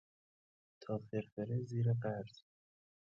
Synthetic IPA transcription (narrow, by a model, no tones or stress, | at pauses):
t̪ʰɒːfeɾfeɾeziːɾeɢæɾz̥